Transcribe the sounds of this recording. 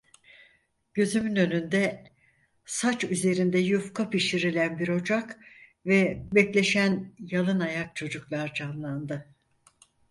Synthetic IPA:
ɟ̥ø̞zymynø̞nynd̪ɛ | sat͡ʃyze̞ɾind̪ɛjufkʰapiʃiɾilʲænbiɾo̞d͡ʒakvɛbɛclʲe̞ʃænjalˠɯnajak̚t͡ʃʰo̞d͡ʒuklˠaɾd͡ʒanlˠand̪ɯ

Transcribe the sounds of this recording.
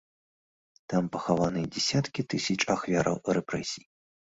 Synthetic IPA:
t̪ampɐxavanɨd͡zʲɛsʲat̪kʲit̪ɨsʲɐt͡ʂaxvʲaɾɐ̰wrɛpɾɛsʲij

